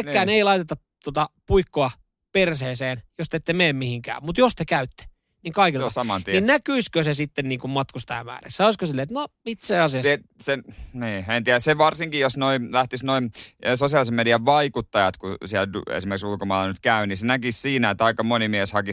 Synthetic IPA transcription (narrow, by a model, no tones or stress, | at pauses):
kːæːneilɑit̪et̪ːɑ | t̪ot̪ɑpuikːoɑ | perseːseːnjost̪et̪ːemeːmmihiŋkæ̰ːmmut̪jost̪ekæyt̪ːe̥ | niːŋkɑikilɑsɑmɑniinnækyiskøsesit̪ːenniːŋkummɑt̪kust̪ɑ̰ːmæ̰ːrḛssɑoˑiskoselːˑeːt̪nomit̪seːɑsiɑs | seniːent̪iɾæseʋɑrsiŋkijosnoilæht̪isnoimsosiɑlisemediɑʋʋɑikut̪ːɑjɑt̪kusiɛlduḛsimerksulkomɑːlɑnyt̪kæyniːsenækissiːnæet̪ːɑikːɑmonimieshɑki